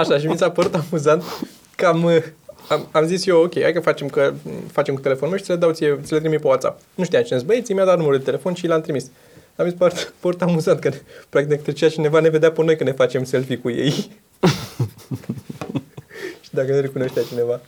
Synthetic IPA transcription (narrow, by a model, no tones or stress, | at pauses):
aʃaʃimisapəɾut̪amuzant̪ | kəaməamamzisjewokʲeja̰jkəfat͡ʃe̞mkəfat͡ʃe̞mkut̪e̞le̞fonmeʃt̪siled̪awt̪sijet̪silet̪ɾimipewat̪sa̰p̚ | nuʃt̪ijamt͡ʃinesbəet̪sijmʲjad̪at̪numəɾud̪et̪ele̞fo̞nʃilamt̪ɾimis | amitspaɾut̪pəɾut̪amuzant̪̚kənpɾak̚t̪ikt̪ɾet͡ʃeat͡ʃine̞vane̞ve̞d̪eapəno̞jkəne̞fat͡ʃe̞mse̞lfikujḛj | ʃi̥d̪akəneɾekunoʃt̪eat͡ʃine̞va